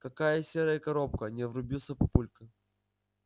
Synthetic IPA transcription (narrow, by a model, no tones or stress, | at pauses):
kɐkajɐsʲeɾəjikɐɾop̚kənʲɛvɾʊbʲilˠsʲəpɐpulʲkɐ